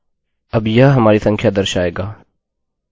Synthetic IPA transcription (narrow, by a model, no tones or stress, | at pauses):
ɐbjɐɦɦɐmaːɾisɐ̃ŋkʰjad̪əɾʃaːeːɡaː